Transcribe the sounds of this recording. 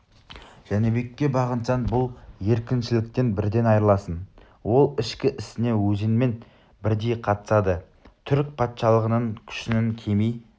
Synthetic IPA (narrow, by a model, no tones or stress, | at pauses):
ʒ̥ænebe̞kʲːe̞bɑʁənsɑnbʊlˠje̞ɾkʲɪnʃɪlɪk̚t̪e̞nbɪɾd̪e̞nɑjɾəlˠɑsən | wo̞lˠɪʃkʲɪʔɪsɪne̞wɵzɪnme̞n | bɪɾd̪e̞jqʰɑt̪ə̥sɑd̪ə | t̪ʰʏɾk̚ʲpʰɑt̪ʃɑlˠəʁənəɴkʲʰʏ̥ʃɪnɪŋkʲʰe̞mij